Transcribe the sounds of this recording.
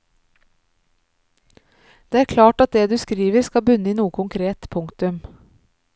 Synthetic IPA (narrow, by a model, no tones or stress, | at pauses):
d̪̥eːæːɾkʰlɑːʈɑt̪̚d̪eːd̪ʉːskɾiːʋəɾskɑbʉnəiːnuːəkʰʊŋkʰɾeːt̪pʰʊŋkt̪ʉm